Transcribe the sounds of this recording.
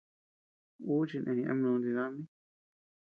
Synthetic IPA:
u˦t͡ʃi˧nʔḛ̃˨˧nĩ˧ʔa̰˧mnõ˧nd̪i˧ða˦mĩ˦

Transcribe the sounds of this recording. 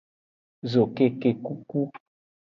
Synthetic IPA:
zo˨ke˦ke˨ku˦ku˦

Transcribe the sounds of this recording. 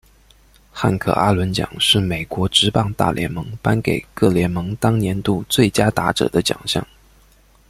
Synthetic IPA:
xa̰˥˩nkʰɤ̰˥˩ʔa˥lwə˧˥nt͡ɕjɑ̰˨˩ŋʂɻ̩˥˩me˨˩ɪkwɔ˧˥ʈ͡ʂɻ̩˧˥pɑ˥˧ŋt̪a̰˥˩ljɛ̰˧˥nmɤ˧˥ŋpa˥nke˨˩ɪkɤ˥˩ljɛ˧˥nmɤ˧˥ŋt̪ɑ˥ŋnjɛ˧˥nt̪u˥˧t͡swe˥˩ɪt͡ɕja˥t̪a˧˥ʈ͡ʂɤ̰˨˩d̪ə˦t͡ɕjɑ̰˨˩ŋɕjɑ̰˥˩ŋ

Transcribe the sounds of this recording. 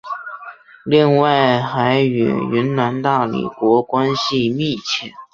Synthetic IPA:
li˥˧ŋwa˥˩ɪxa˧˥ɪy̰˨˩ɥy˧˥nna˧˥nt̪a˥˩lḭ˨˩kwɔ˧˥kwa˥nɕi˥˧mi˥˩t͡ɕʰjɛ˥˩

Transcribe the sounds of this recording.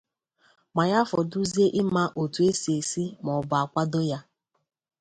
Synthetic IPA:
ma˨ja˦fɔ˨du˦zi˦e˦ʔɪ˦ma˦ʔo˨tu˨e˦si˨e˨si˦mɔ˨ba˨a˨kʷa˦do˦ja˦

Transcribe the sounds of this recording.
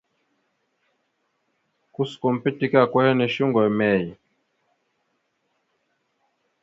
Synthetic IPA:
ku˦skɔ˨m̩˨pi˦ti˦ka˦˨kwɛ˦hɛ˦nɛ˨ʃi˦ŋɡɔ˨mɛ˦˨ji˨

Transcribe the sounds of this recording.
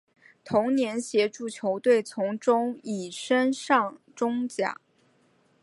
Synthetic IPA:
t̪ʰʊ˧˥ŋnjɛ˧˥nɕjɛ˧˥ʈ͡ʂu˥˩t͡ɕʰjo˧˥ʊt̪we˥˩ɪt͡sʰʊ˧˥ŋʈ͡ʂʊ˥ŋi˨˩ʂə˥nʂɑ˥˩ŋʈ͡ʂʊ˥ŋt͡ɕja̰˨˩˦

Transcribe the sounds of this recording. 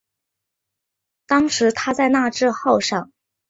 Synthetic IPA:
t̪ɑ˥ŋʂɻ̩˧˥t̪ʰa˥t͡sa˥˧ɪna˥˧ʈ͡ʂɻ̩˥˧xo˥˧ʊʂɑ˥˩ŋ

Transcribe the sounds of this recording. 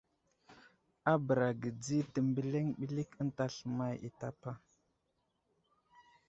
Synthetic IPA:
a˦bə˨ɾa˨ɡə˨d͡zi˦tə˨mbə˨le˦ŋɓi˦li˦kə˦n˦ta˦ɬə˨ma˦jḭ˨ta˦pa˦

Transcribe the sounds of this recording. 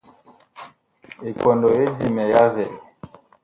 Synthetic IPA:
e˨kɔ˨ndɔ˨e˦di˦˨mɛ˨ja˦vɛ˨

